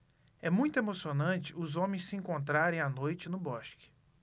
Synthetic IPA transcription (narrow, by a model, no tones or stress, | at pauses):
ɛmũj̃t̪ʊemosionɐ̃nt͡ʃɪʊzõmẽj̃sɪẽŋkõnt̪ɾaɾẽj̃anojt͡ʃɪnʊbɔʃkɪ̥